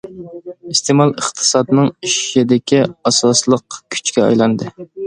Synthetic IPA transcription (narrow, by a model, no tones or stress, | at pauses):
ist̪ʰemɑlˠəχt̪ʰɨ̥sɑd̪nɨŋiʃid̪ɪkʲʰiɑsɑslˠəqkʲʰy̥t͡ʃkʲɛɑ̰jlˠɑnd̪ɨ